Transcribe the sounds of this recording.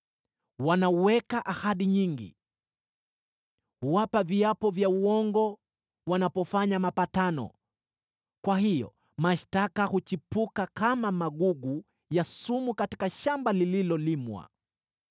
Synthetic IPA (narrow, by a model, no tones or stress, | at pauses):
wanauwɛkaʔahaɗiɲiŋɡḭ | huwapaviapɔvjauwɔŋɡɔ | wanapɔfaɲamapatanɔ̰ | kwahijɔ̰ | maʃtakahut͡ʃipukakamamaɠuɡu | jasumukati̥kaʃambalililɔlimwa̰